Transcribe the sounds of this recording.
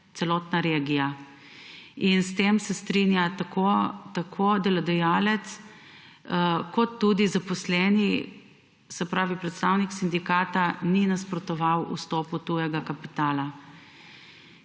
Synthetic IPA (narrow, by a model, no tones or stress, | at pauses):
t̪sɛlɔːt̪naɾeɡija | inst̪eːmsɛst̪ɾinjat̪akʰot̪akʰoːd̪ɛlɛd̪ɛjaːlɛt̪s | kɔt̪ːuːd̪izapɔslɛːni | sɛpɾaːʋipɾɛt̪st̪awniksind̪ikaːt̪aninaspɾɔt̪ɔʋawṵst̪ɔːput̪ujɛɡakapit̪aːla